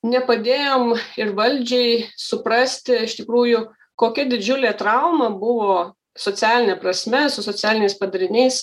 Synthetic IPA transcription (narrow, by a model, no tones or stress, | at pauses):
nʲɛpɐd̪ʲeːjoːmɪrʋɐlʲd͡ʒʲɛɪsʊpɾɐsʲt̪ʲɪɪʃt̪ʲɪkɾuːjʊ | koːkʲɛd̪ʲɪd͡ʒʲʊlʲeːt̪ɾɐʊmɐbʊʋoː | soːt͡s̪ʲæːlʲɪnʲɛːpɾɐsʲmʲɛsʊsoːt͡sʲæːlʲɪnʲɛɪspɐd̪ɐɾʲɪnʲɛɪs